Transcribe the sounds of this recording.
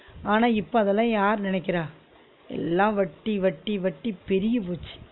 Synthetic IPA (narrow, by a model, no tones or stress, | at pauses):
aːnaːɪpːoɐðɛlːãːjaːɾnɪnɛkːɪɾãː | ɛ̰lːãːʋɐʈːiʋɐʈːiʋɐʈːipɛɾɪjɐpuːt͡ʃːi̥